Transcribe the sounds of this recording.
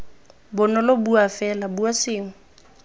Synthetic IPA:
bʊnɔlɔbuafɛlabuasɪːŋ̩

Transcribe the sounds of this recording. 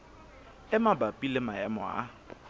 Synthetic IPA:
ɪmabapʼilɪmaɛmɔ̰a̰

